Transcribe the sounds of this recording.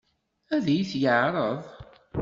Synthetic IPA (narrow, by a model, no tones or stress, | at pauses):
æðæjiθjəʕɾˤəðˤ